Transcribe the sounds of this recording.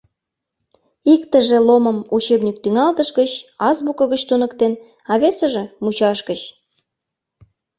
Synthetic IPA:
ikt̪əʒĕloməmut͡ɕebnʲik̚t̪yŋɑlt̪əʃɡət͡ɕɑzβukə̆ɣət͡ɕt̪unəkt̪en | ɑβesə̆ʒĕmut͡ɕɑʃkət͡ɕ

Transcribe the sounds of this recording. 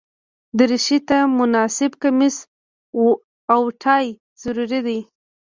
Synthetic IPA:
d̪əɾɪʃit̪amʊnɑsɪbkamɪs | awʈʰɑj | z̥aɾuɾid̪ij

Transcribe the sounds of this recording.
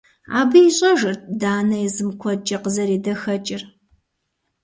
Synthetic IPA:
a̰ːbɨiɕʼɐʒɨrt̚daːnɐjɛzɨmkʷʰɔt͡ʃʼɐqəzɐɾiːdɐxɐt͡ʃʼɪr

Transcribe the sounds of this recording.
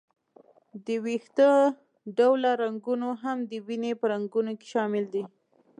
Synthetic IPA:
d̪əwixt̪ə | ɖawlaɾaŋɡunoɦamd̪əwinepəɾaŋɡunoke̥ʃɑmɪld̪i

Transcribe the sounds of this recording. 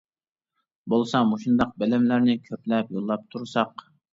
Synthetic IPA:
bolˠsɑmoʃund̪ɑq̚belɪmlæɾnɪkʲʰøplɛpjolˠːɑp̚t̪ʰuɾsɑq

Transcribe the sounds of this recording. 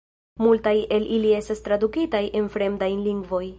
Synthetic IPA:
multaje̞lʔilie̞stast̪ɾad̪ukitajʔe̞nfɾe̞mdajliŋɡvo̞j

